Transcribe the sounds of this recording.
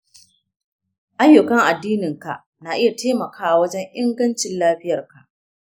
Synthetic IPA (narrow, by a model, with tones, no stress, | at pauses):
ʔa˦jːʊ˨kɐ˦ŋʔa˨dːiː˦nɪ˨ŋka̰˨ʔ | na˨ʔɪ˦ja˨teː˦mɐ˨kʰaː˦wwɐ˦d͡ʒɛ˦ŋʔɪ˦ŋɡɐ˦nt͡ʃɪ˨nlaː˦ɸɪ˦jɐ˨rka˨ʔ